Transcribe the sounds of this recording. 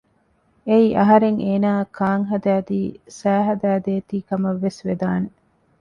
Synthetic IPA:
eiʔɐɦɐɾeŋeːnaːkʰaːŋɦɐd̪æːd̪iːsæːɦɐd̪æːd̪eːt̪iːkɐmɐʋːesʋed̪aːne

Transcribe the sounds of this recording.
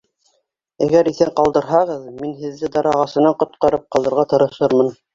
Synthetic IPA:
æɡæɾiθæɴqɑlˠd̪ɤ̆ɾɦɑʁɤðminɦɘ̆ðːɘd̪ɑɾɑʁɑsɤ̆nɑɴqŏt̪qɑɾɤp̚qɑlˠɤ̆ɾʁɑt̪ɤ̆ɾɤ̆ʃɤɾmɤn

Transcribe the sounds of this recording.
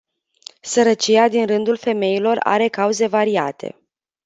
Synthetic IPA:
səɾət͡ʃiad̪inrɨnd̪ulfe̞me̞ilo̞ra̰ɾe̞kauze̞vaɾiat̪ʰe̞̰

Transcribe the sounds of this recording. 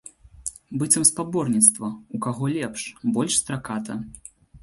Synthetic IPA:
bɨt͡s̪ʲɐmspabɔrnʲit̪st̪vɐukaɣɔlʲɛpʂbɔlʲʂst̪ɾakat̪ʰɐ

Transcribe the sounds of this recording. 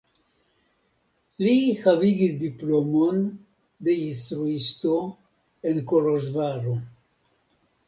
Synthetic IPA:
lihaviɡisdiplo̞mo̞n | de̞instɾuisto̞ | e̞nko̞ɾoʒvaɾo

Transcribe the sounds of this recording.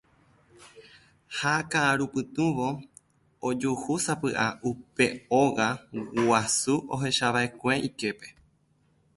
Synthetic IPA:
hakãʔãɾupɨt̪ũʋo̞ | od͡ʒuhusapɨʔaupe̞oɣaasuo̞ɦe̞ʃaʋae̞kʷẽ̞ʔike̞pe̞̥

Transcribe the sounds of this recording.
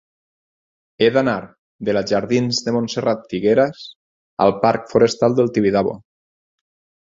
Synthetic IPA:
eðanaɾ | ðelaʒaɾðinzðemonserat̪ːiɣeɾas | a̰lˠpaɾkfoɾest̪alˠd̪elˠt̪iβiðaβo̰

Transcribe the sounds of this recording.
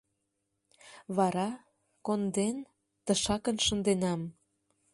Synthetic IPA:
βɑɾɑ | kond̪en | t̪əʃɑkənʃənd̪enɑm

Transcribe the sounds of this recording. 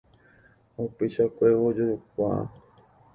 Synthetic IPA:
upeʃakʷeod͡ʒoukʷã̰

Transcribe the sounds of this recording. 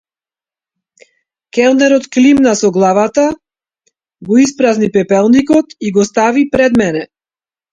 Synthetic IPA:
kɛlˠd̪ɛɾɔt̪klimnasɔɡlˠavat̪a | ɡɔispɾaznipɛpɛlˠnikɔt̪iɡɔst̪avipɾɛd̪mɛnɛ

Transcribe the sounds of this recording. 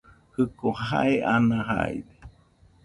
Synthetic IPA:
hɨkoha̰eʔanaɦa̰ide̥

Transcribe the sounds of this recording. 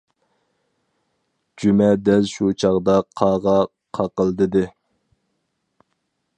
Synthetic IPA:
d͡ʒymɛd̪ɛlʃut͡ʃʰɑʁd̪ɑqʰɑːʁɑ | qʰɑqəlˠd̪ɨd̪ɨ

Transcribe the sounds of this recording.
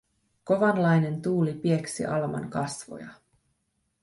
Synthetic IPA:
ko̞ʋɑnlɑjne̞nt̪uːlipie̞ksḭʔɑlmɑ̰ŋkɑsʋo̰jɑ̰

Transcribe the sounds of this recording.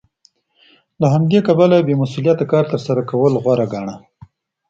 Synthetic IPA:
laɦamd̪ekabalabemasulijat̪akɑɾt̪əɾsaɾakawəlɣwaɾaɡaɳa

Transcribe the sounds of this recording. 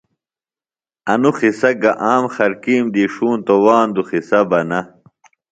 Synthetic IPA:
ɐnuxisɐɡɐʔaːmχɐɾkiːmd̪iːʂuːnt̪owaːnd̪uχisɐbɐnɐ

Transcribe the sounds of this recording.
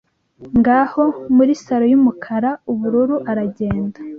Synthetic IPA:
ŋɡaːho̞muɾisaɾo̞jumukʰaɾauβuɾuɾuʔaɾaɟe̞ːndḁ

